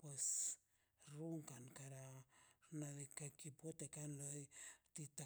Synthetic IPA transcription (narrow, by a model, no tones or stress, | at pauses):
pwes | ruŋkankaɾaɾnaðikakipot̪ekanlojt̪it̪a